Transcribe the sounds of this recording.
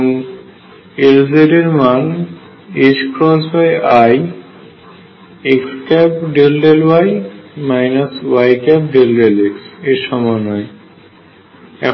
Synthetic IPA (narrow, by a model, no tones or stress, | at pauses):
ŋ | elzeɾeɾman | izkʰɾɔs̬bajaj | ekskɛpɖelɖelwajmajnaswajkɛp̚ɖelɖelekseʃɔmɔjnɔj | ɛ